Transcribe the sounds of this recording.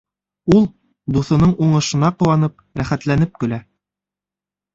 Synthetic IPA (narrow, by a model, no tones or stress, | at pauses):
ulˠ | d̪uθŏnɤɴuɴɤ̆ʃɤ̆nɑqŏwɑnɤp̚ɾæχæt̪lænɘp̚kɵ̆læ